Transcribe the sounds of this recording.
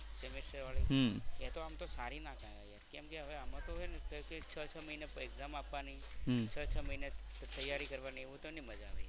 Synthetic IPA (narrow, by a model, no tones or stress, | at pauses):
semesʈəɾʋaɭiet̪oamt̪osaɾinakãja̰jakɛmkeɦəʋeamãt̪oɦojnekəjket͡ʃʰət͡ʃʰəməinepeɡzamapʋani | t͡ʃʰət͡ʃʰəməɦinet̪əjːaɾikəɾʋanieʋũt̪oniməd͡ʒaʋə̰